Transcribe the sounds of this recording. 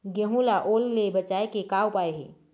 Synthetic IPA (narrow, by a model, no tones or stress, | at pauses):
ɡeɦũlaʔolːebət͡ʃaekekawpaeɦḛ